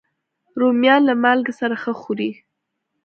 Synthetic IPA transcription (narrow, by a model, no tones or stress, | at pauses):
ɾomjɑnlamalɡsaɾaxəxuɾi